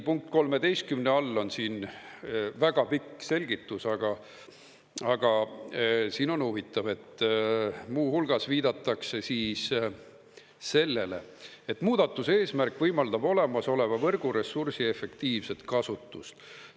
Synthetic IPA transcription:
puŋk̚t̪̚ko̞lme̞d̪e̞jst̪̚kymneɑlːo̞nsiːn | væɡ̥ɑpikːˑse̞lʲɡ̥it̪ːˑusɑɡ̥ɑ | ɑɡ̥ɑ | siːno̞nhuvit̪ːˑɑve̞t̪ː | muːhulɡ̥ɑsviːd̪ɑt̪ːˑɑkse̞siːs | se̞lːe̞le̞̰ | et̪muːd̪̥ɑt̪ːˑuse̞ːsmærkvɤjmɑld̪̥ɑbo̞le̞mɑso̞le̞mɑvɤrɡ̥uɾe̞sursie̞fe̞kt̪iːvse̞t̪kɑsut̪ːˑust̪

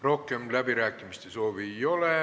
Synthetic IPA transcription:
ro̞hkemlæbiɾæːkːˑimist̪eso̞ːʋiejo̞le

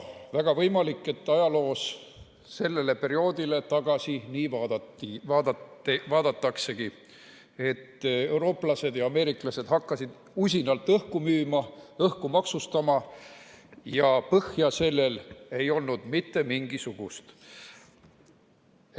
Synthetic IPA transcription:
væɡ̥ɑvɤjmɑlikːˑe̞t̪ːɑjɑlo̞ːs | se̞lːe̞le̞pe̞ɾio̞ːd̪ile̞t̪ɑɡ̥ɑsiniːvɑːd̪ɑt̪ːivɑːd̪ɑevɑːd̪̥ɑt̪ːɑkse̞ɡ̥i | e̞t̪ːe̞uwɾo̞ːplɑse̞d̪̥jɑɑme̞ːɾiklɑse̞d̪̥hɑkːɑsid̪̥ | usʲinɑlt̪ːˑɤhkumyːmɑɤhkumɑksust̪ɑmɑ | jɑpɤhjɑse̞lːe̞le̞jo̞lnud̪̥mit̪ːe̞miŋɡisuɡ̥ust̪

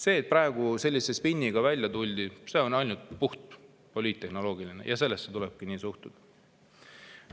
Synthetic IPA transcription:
se̞ːt̪̚prɑe̞ɡ̥use̞lʲːise̞spinʲːiɡ̥ɑvælʲjɑt̪ulʲd̪̥ise̞ːonɑjlnut̪̚puht̪̚ | polʲiːt̪ːe̞hno̞lo̞ːɡ̥ilinḛjɑse̞lːestːet̪uleb̥̚kiniːsuht̪ud̪̥

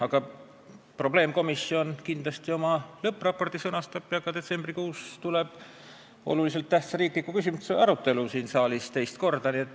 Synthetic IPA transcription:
ɑɡ̥ɑ | pro̞ble̞ːmko̞misːjo̞nkind̪lɑst̪io̞mɑlɤpːˑrɑpːo̞rt̪isɤnɑst̪ɑpːˑiɑɡ̥ɑd̪e̞t̪se̞mbrikuːst̪ule̞b̥ | o̞̰lulis̬elt̪ːæht̪sɑɾiːkˑlikːˑukysʲimueɑɾut̪ːˑe̞lusiːnsɑːlist̪e̞jst̪ko̞rd̪̥ɑniet̪ːˑ

